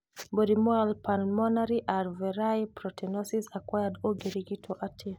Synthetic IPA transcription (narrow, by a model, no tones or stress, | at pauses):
bɔɾimɔalpʰanmɔnaɾiʔaɾvɛɾajpɾɔtʰɛnɔsisakwajadoɡeɾiɡitʰɔʔatʰe